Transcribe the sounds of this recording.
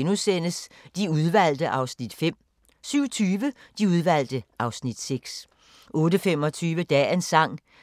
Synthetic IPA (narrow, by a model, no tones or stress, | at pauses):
nusenəsd̥iuð̞ˠʋæl̰d̥əʔɑ̈ʊsnid̥fem̰ | syʊ̰t͡sʰyːʋəd̥iuð̞ˠʋæl̰d̥əʔɑ̈ʊsnid̥seɡ̥s | ʔɔ̽ːɾəfem̰ɒ̽t͡sʰyːʋəd̥ɛ̰ːensɑ̈ŋ̰